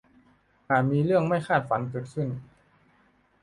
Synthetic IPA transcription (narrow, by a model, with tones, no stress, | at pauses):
haː˨˩miː˧ɾɯ˥˩əŋma˥˩jkʰaː˥˩t̪̚fa˨˦nkɤː˨˩t̪̚sɯ˥˩n